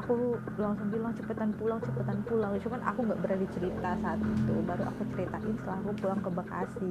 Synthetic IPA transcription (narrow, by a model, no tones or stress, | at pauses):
akulaŋsʊŋbilaŋt͡ʃəpət̪anpulaŋt͡ʃəpət̪anpulaŋiʃukanʔa̰kuŋɡaʔbəɾardit͡ʃəɾit̪asaːt̪it̪ubaɾuʔa̰kut͡ʃəɾit̪aʔɪnsəlakupulaŋkəbaka̰sɪ